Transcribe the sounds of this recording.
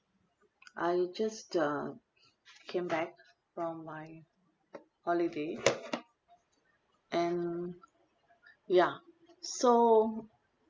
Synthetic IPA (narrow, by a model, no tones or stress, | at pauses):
ʔaɪd͡ʒastʌ | kʰẽmbɛk̚ | fɹɔ̃mːaj | hɔlide | ʔɛ̃n | ja | so